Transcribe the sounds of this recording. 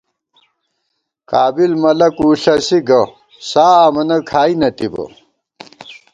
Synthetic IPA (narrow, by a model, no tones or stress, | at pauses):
kaːbilmɐlɐkuːɬɐsiɡɐ | saːmɐnɐkʰaːinɐt̪ibɐ̰